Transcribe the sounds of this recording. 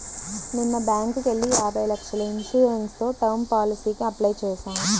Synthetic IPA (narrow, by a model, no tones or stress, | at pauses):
ninːɐbaːŋkukeɭːijaːbʱɐjlɐkʂɐlɐinsuːɾenst̪o̞ːʈɐwmpaːlisiːkiɐplɐjt͡ʃɛːsaːm